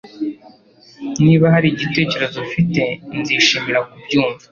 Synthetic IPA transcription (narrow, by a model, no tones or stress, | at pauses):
niːβaɦaɾiɟite̞ːce̞ɾe̞zofite̞nziːʃiːmiɾakubɟuːɱva